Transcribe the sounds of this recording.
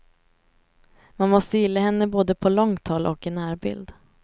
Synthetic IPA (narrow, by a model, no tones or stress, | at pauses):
manmɔst̪əjɪlːaɦɛnːəboːd̪əpʰɔlɔŋt̪ʰɔlʔɔkɪnæːɾbɪ̰ld̪